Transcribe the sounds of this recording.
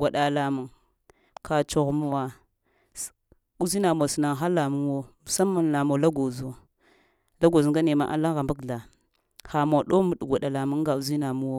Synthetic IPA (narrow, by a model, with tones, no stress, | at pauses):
ɡʷa˨ɗa˨la˨mu˨ | ka˨t͡ʃo˨ɣmu˦wa˨ | u˦zi˦na˨mo˨si˨na˨ŋ˨ɦa˦la˨mu˦wo˦m˨sa˦mu˨nla˨mo˨la˦ɡo˨zo˨ | la˦ɡo˨zu˨ŋɡa˦ne˨ma̰˦ʔa̰˨la˦ŋɣa˨mbu˦kɮa˨ | xa˨mo˨ɗo˦mu˨ɗɡʷa˨ɗa˨la˨mu˦ŋ˦ɡa˨u˦zi˦na˨mu˦wo˦